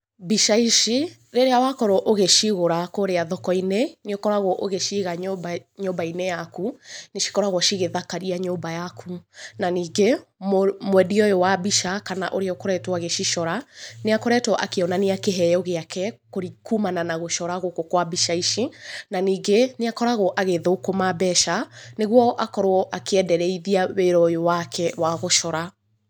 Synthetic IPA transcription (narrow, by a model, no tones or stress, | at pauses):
biʃaiʃi | ɾeɾeawakɔɾoʔoɣeʃiɣoɾakoɾeaðɔkɔineniokɔɾaɣoʔoɣeʃiɣaɲɲobainejakuneʃi̥kɔɾaɣwɔʃiɣeðakaɾiaɲoːbajakʰunaniːɡemmwɛdiɔjowabiʃakana̰ʔoɾeɔkoɾɛtwaɣeʃiʃɔɾaneakoɾɛtwɔʔakeɔnaneakeɦɛjɔɣeakɛkoɾikumananaɣoʃɔɾaɣokokwabiʃaiʃinaniːɡeneakɔɾaɣoʔaɣeðokomabɛʃaneɣwɔʔakɔɾoɔʔakeɛdɛɾɛiðiaweɾɔjowakʰɛwaɣoʃɔɾa